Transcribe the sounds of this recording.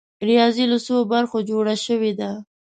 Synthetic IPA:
ɾijɑziləsobaɾxod͡ʒoɽaʃəwed̪a

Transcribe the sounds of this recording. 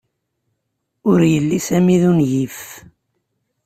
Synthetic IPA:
ʊɾjəlːisæmiðunʝif

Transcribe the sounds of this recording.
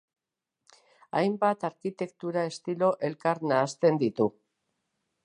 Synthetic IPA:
ajmbat̪aɾkit̪e̞kt̪uɾae̞st̪ilo̞ʔe̞lkaɾnaːst̪e̞nd̪it̪u

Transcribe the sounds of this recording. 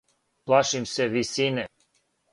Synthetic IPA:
plaʃimsevisinɛ

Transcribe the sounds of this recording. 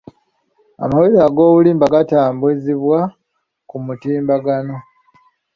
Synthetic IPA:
a̰mawiɾaɡo̞ːβuliːmbaɡataːmbweziβwa | kumutiːmbaɡano̞

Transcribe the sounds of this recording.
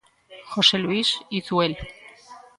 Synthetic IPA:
xo̞se̞luisisuel

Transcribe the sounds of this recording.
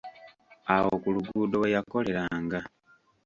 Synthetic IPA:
awo̞kuluɡuːdo̞wejako̞le̞ɾaːŋɡa

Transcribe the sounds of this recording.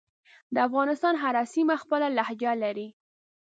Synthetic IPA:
d̪əafɣɑnɪst̪ɑnɦaɾɑsimaxpəlalahd͡ʒalaɾi

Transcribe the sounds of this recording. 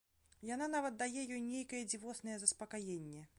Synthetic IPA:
jan̪anavɐt̪̚d̪ajɛjɔjnʲejkɐjɛd͡zʲivɔsnɐjɛzɐspɐkajenʲːɛ

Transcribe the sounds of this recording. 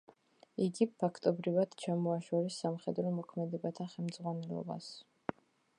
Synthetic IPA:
iɡipʰakʰt̪ʼɔbɾivad̪̥t͡ʃʰamɔaʃɔɾisːamχɛd̪ɾɔmɔkʰmɛd̪ɛbat̪ʰaχɛlˠmd̪zʁwanɛlˠɔ̰ba̰s

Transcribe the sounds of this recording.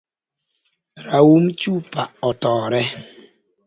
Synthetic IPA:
ɾawumt͡ʃupaʔɔtɔːɾɛ

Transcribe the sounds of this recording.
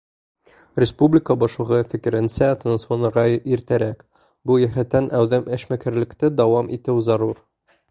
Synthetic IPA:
ɾʲɪspublʲɪkəbɒʃlˠɤ̆ʁɤfɘ̆kɘ̆ɾɘ̆nsæt̪onsonɤ̆ɾʁɑiɾt̪æɾæk | bujæɦæt̪ːænæwðɘmɘ̆ʃmækæɾlɘ̆kt̪ɘd̪ɒwɑmʔit̪ɘwzɑɾuɾ

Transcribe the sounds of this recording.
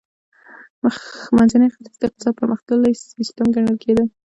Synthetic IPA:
məxmanzanəjxaɾzd̪əɪq̚t̪ɪ̥sɑd̪̚pəɾməxt̪əlajsist̪əmɡaɳəlkʰed̪ə

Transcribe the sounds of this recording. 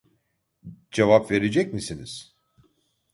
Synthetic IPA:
d͡ʒevapve̞ɾed͡ʒɛc̚misiniz̥

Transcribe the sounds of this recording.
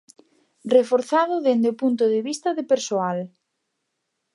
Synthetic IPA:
refoɾθaðʊðend̪eopunt̪ʊðɪβist̪ɐðɪpeɾsoal

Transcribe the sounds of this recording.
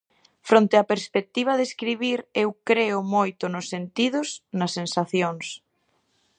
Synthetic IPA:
fɾõnt̪eapeɾspek̚t̪iβ̞ɐðeskɾiβ̞iɾewkɾeʊmojt̪ʊnʊsːent̪ið̞ʊsnɐsːensaθjoŋs

